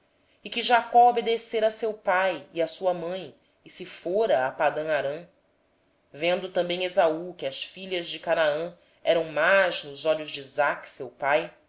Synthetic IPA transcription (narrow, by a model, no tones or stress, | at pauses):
ɪkɪʒakɔobed̪eseɾɐsewpajiasuɐmɐ̃j̃ | ɪsɪfoɾɐːpad̪ɐ̃aɾɐ̃ | vẽnd̪ʊt̪ɐ̃mbẽj̃ezaukɪɐsfiʎɐʒd͡ʒɪkanaɐ̃ | ɛɾɐ̃w̃maznʊzɔʎʊʒd͡ʒizaksewpaj